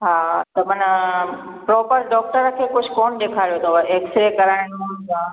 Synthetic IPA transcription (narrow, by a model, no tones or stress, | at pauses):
ɦaːt̪ɐmɐnə | pɾɔːpəɾɖɔːk̚ʈəɾkʰeːkʊd͡ʑʱʊkoːnɗeːkʰaːɾjot̪ʰoɐeːksɾekɐɾaːɪɽ̃ʊ̃ã